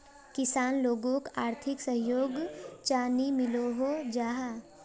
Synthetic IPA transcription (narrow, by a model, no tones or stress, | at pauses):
kɪsaːnloːɡõkaːɾt̪ʰɪksəɦjoːɡt͡ʃaːnimɪloɦod͡ʒaːɦa